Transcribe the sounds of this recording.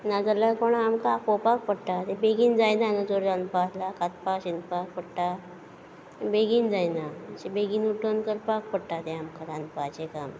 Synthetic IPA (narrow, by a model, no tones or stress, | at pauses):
nad͡zəlapəɳamkakopak̚pəɽʈat̪ebeɡind͡zajnanət͡soɾanpaslakat̪̚paɕinpak̚pəɽʈa | beɡiːnd͡zajnaɕebeɡiːnuʈənkəɾpak̚pəɽʈat̪ẽamkaɾãnd̪pat͡ɕekam